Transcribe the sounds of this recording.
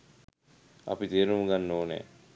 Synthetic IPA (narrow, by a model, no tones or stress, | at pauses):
ɐ̰pit̪eːɾumuɡanːoːnḛ